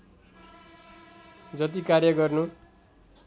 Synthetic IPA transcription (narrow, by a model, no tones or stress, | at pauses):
d͡zʌt̪̬ikarjʌɡʌrnu